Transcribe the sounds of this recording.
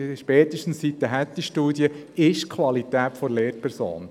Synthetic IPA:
ʃpɛːt̪əʃtən̩ssit̪ːəɦæt̪ːiʃtuːdjə | ɪʃkʰʋɑlit̪æːtfɔɾleːɾpʰɛɾso̰ːn

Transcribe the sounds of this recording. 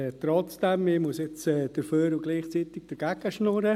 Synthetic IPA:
t̪ɾɔt͡sd̥ɛmɪmusɪt͡sɛːd̥əɾføːɾʊɡliːχt͡sit̪ɪɡ̥̚d̥əɾɡ̥æɡ̥əʃnɔɾə

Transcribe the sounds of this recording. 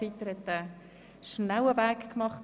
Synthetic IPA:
it̪əɾhɛt̪ə | ʃnæwəvæːkkmɑχt

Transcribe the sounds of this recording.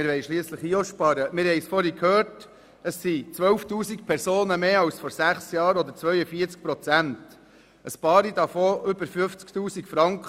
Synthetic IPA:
mɪɾʋɛjʃliəsləχiːoʃpɑːɾəmɪɾhɛɪsfɔɾhikʰhøːɾt | əsːit͡sʋœwftuːsik̚pʰɛɾsoːnəmeːɑwsfɔɾsæχsjɑːɾɔd̪əɾt͡sʋœʏəfiːəɾt͡sk̚pɾɔt͡sænt | əspɑːɾid̥̪ɑfoːʔʏbəɾfʏft͡sktuːsikfɾɑŋkχ

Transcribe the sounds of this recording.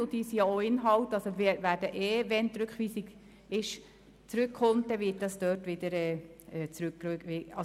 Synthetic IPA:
ʊd̥̪isijɑoɪnɦɑltɑlsoʋɛʋæːdəʔeːʋɛnt̪ɾʉkχʋiːsiɡ | ɪʃ | t͡sɾʉkːʰχɔmt̚dɛʋɪt̚d̥ɑsd̥øːtʋɪdəɾɛːɛːt͡sɾʉkːøkʋiɑ

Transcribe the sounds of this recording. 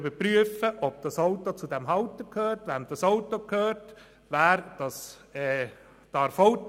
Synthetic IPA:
bəɾpɾyəfəʔɔb̚d̥ɑsoʊtːot͡sud̪ɛmɦɑwtəkʰhøːɾtʋænd̥ɑsoʊtokʰhøːɾt | ʋæːɾd̥ɑs | ɛː | d̥ɑɾfɔwt

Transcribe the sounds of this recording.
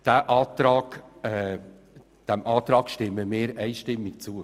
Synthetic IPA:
d̥æʔɑːt̪ɾɑːɡ̥ɛ | d̥ɛmʔɑːt̪ɾɑːkʃtɪməmɪːɾɛɪʃtɪmːɪkt͡suə

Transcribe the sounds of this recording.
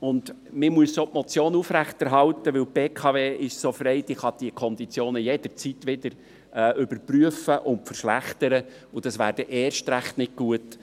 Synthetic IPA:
ʊnd̪ | mɪmuəssoːpmɔt͡sjoːnufɾæχt̪ɛɾɦɑlt̪əʋɪlb̥eːkʰɑveːʔɪʃsofɾɛɪd̥̪iχɑd̥iəkʰɔnd̪it͡sjoːnəjɛd̥̪əɾt͡sit̪ʋɪd̪əɾ | ɛːʔʏbəɾpryəfəʔʊntfəɾʃlæχt̪əɾə | ʊd̥̪ɑsʋæːɾd̥əʔɛːrʃtɾæχtnɪt̚ɡ̥uət

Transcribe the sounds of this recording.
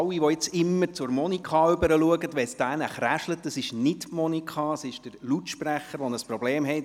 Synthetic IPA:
wiʋɔɪt͡sɪmːəɾt͡sʊɾmɔnikʰɑʏbəɾəluəɡətʋɛsd̥æːnəχræʃlətəsɪʃnɪtmɔnikχɑəsɪʃd̥əɾlutʃpræχəɾʋɔnəsprɔbleːmɦɛɪt

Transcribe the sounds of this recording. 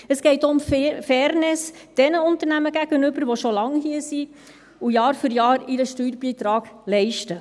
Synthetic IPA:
əsɡ̥ɛɪtʊmffɛːɾnɪsd̥ɛnəʊntəɾnæməɡæɡ̥ənʏbəɾʋoʃolɑŋhiːəsi | ujɑːɾfʏɾjɑːɾiɾəʃtyːɾbiːtɾɑːɡ̥lɛɪʃtə

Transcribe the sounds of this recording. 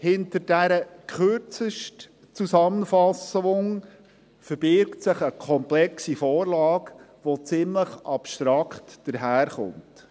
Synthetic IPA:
hɪntəɾd̥æɾəkχøɾt͡səʃt | t͡suzɑmənfɑsʊŋ | fəɾb̥ɪɾktsɪχəkʰɔmplɛksifɔːɾlɑːk | ʋot͡sɪmləχʔɑpʃtɾɑkχtd̥əɾɦæːɾχʊ̰nt

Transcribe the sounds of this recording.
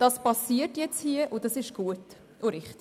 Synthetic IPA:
d̥ɑspɑsiətjɛt͡shiəʔʊdɑsɪʃɡ̥uət | ʔʊɾɪχt

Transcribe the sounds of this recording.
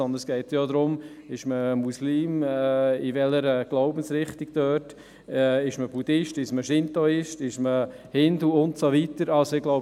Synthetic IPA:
ɔnd̪əsɡ̥ɛɪt̪joːd̪ɾʊm | ɪʃməmusliːmɛɪvɛləɾɛɡ̥lɔʊbən̩sɾɪχtiɡ̥d̥œːt | ɛɪʃməbudɪʃtɪʃməʃɪntɔɪʃtɪʃmə | hɪnd̪luʊntsovitəɾɑlsɔɪɡlɔʊ

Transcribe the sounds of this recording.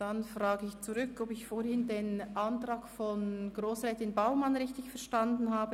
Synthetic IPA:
d̥anfʁaːɡəɪçt͡suʁʏkɔpɪçfoːɾhɪndeːnʔantʁ̥aːɡfɔnɡʁoːsʁɛːtɪnbaʊmanʁɪçtɪçfɛɐʃtandn̩ɦaːbə

